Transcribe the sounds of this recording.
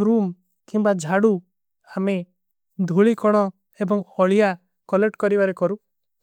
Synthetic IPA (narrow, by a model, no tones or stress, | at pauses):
ɾum | kimbad͡ʒʱaɽu | ame | d̪ʱuɭikɔɽ̃ɔ | ebɔŋɔɭija | kɔleʈkɔɾibaɾekɔɾu